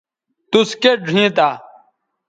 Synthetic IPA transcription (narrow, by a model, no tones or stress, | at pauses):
t̪uskeɖʱĩːt̪aː